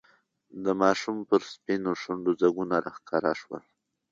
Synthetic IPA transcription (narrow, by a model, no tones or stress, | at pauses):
d̪əmɑʃumpəɾspinoʂaɳɖozaɡunaɾaxkɑɾa̰ʂwə̰l